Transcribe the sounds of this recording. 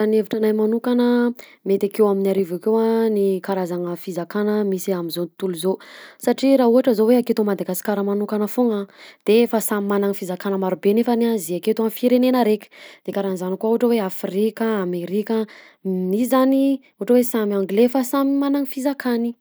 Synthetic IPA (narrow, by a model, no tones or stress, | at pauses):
aneviʈ͡ʂanajmanukanə | met̪akewaminaɾivakewanikaɾazaŋəfizakanəmisiamizont̪uluzosaʈ͡ʂiɾaɦuɦaʈ͡ʂəzoweaket̪omad̪aɡasi̥kaɾəmanukanəfoŋəd̪̥efasamimanaŋifizakanəmaɾubenefanazeaket̪uanfiɾenenəɾeki̥d̪̥ekaɾanzanikuauaʈ͡ʂəweafɾikəameɾikə | misizani | uɦaʈ͡ʂəwesamiaŋɡlefasamimanaŋfizakʰani